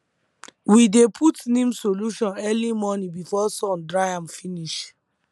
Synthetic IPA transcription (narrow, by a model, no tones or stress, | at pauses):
widepʰutnĩmsoluʃɔ̃nɛlimɔnĩbifɔsɔ̃ndɹajãmfiniʃ